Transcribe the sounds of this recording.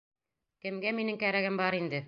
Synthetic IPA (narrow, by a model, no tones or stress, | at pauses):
kɘ̆mɡæminɘŋkæɾæɡɘmbɑɾind̪ɘ